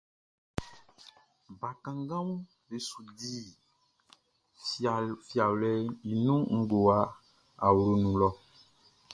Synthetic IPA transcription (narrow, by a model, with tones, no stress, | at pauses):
ba˨kã˨ŋɡã˦w | be˨su˨di˦˨ | fi˨a˨wlɛ˦i˨nũ˦ŋ̩˦ɡo˨a˦ | a˨wlo˨nũ˨lɔ˦